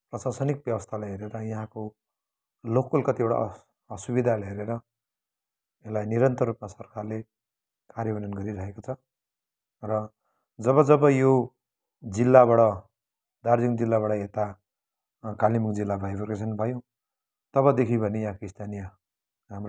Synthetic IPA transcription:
prʌsarsʌnik̚bjʌbʌst̪ʰalajɦeɾeɾʌjaɦãko | lokːulkʌt̪ibʌɽa̰ | ʌsubid̪ʱalɦeɾeɾʌ | elajniɾʌnt̪ʌrːupmasʌrkarle | karjʌbʌnʌnɡʌɾiɾʌɦekot͡sʰʌ | rʌ | d͡zʌβʌd͡zʌbʌjo | d͡zilːaβaɽʌ | d̪ard͡ziŋd͡zilːaβaɽʌet̪a | kalimukd͡zilːabʱajbʌrkes̬ʰʌnbʱʌjõ | t̪ʌβʌd̪ekʰibʱʌnejaɦãkoist̪ʰanijʌ | ɦamr

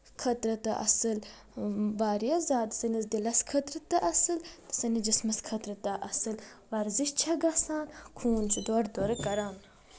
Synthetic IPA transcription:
kʰɐt̪ɾɐt̪ɐʔɐ̰sɨl | baːɾijɐzaːd̪sɐnɐzd̪ilɐskʰɐt̪ɾɨt̪ɐʔɐsɨlt̪ɨ̥sɐnid͡ʒismɐskʰɐt̪ɾɨt̪ɐʔɐsɨlʋɐɾziʃt͡ʃʰɐɡɐsaːnkʰuːnt͡ʃʰud̪oːɾd̪oɾɨkɐɾaːn

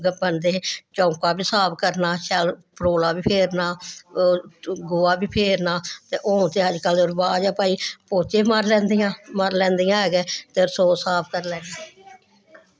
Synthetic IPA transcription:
bənd̪eːt͡ʃõːkaːbiːsaːp̚kəɾnaːʃɛlpəɾoːlaːbiːpʰeːɾnaː | ɡoːaːbiːpʰeːɾnaːt̪eːʔoːt̪eːəd͡ʒkəlʊɾbaːd͡ʒaːpaːiːpoːt͡ʃeːməɾlɛ̃ːnd̪ijãːməɾlɛ̃ːnd̪ijãːɦɛːɡɛːt̪eɾsoːsaːp̚ʰkəɾlɛːɡɛː

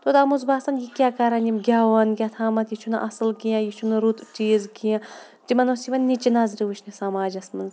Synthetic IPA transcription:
t̪od̪amuzbaːsɐnjikʲaːkɐɾɐnʲimɡʲaːwɐnɡʲat̪ʰaːmɐt̪jit͡ʃʰunɐʔɐsɨlɡijãjit͡ʃʰunɐɾut̪t͡ʃiːzɡijã | d͡ʒimɐnoːsiʋɐnʲːit͡ʃinaːzɾiʋut͡ʃʰnisamaːd͡ʒɐsmɐnz

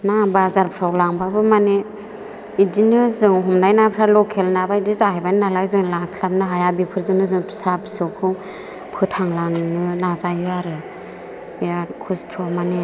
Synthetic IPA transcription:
nabazaɾpʰɾawlaŋbabɯmane | idinɯzɯŋɦumnajnapʰɾalɔkʰelnabaidizahajbajnnalajzɯŋlaŋslap̚nɯɦajabipʰɯɾzɯŋnɯzɯŋpʰi̥sabʰisɔkʰu | pʰɯtʰaŋlaŋnɯnazajuaɾɯ | biɾakʰustʰɔmane

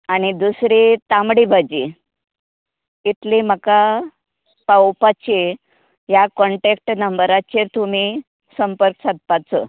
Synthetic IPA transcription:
añid̪usɾit̪amɽibʱad͡ʑi | it̪liməka | pawpat͡ɕe | jakɔɳʈekʈnəmbəɾat͡ɕeɾt̪um̤i | səmpəɾksad̪̚pat͡sə

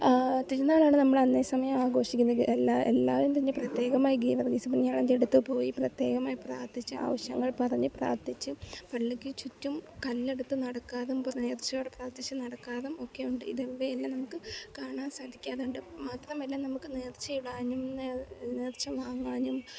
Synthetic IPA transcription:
t̪iɾunːaːɭaːɳɨnɐmːɐɭɐnːeːsɐmɐjɐmaːɡo̞ːʂikʲːunːelːaḛlːaːʋimt̪ɐɲːɨprɐt̪je̞ːɣɐmaːjiɡiːʋɐrɡisupːineɲaːɳend̪eɽut̪ːupo̞ːjiprɐt̪je̞ːɣɐmaːjipra̰ːrt̪it͡ɕːua̰ːʋɐɕjɐŋːɐɭpɐrɐɲːɨpra̰ːrt̪it͡ɕːupɐɭːikːit͡ɕutːumkɐlːe̞ɽut̪ːɨnɐɽɐkːaːðumpneːrt͡ɕːɐjoːɽepraːrt̪it͡ɕːɨnɐɽɐkːaːðumo̞kːe̞juɳɖɨḭðeʋːeelːɐnɐmukːɨkaːɳaːnsaːd̪ʱikʲːaːðɳɖɨmaːt̪rɐmelːanɐmukːɨneːrt͡ɕːɐjuɽaːɲːumnneːrt͡ɕːɐʋaːŋːaːɲːum

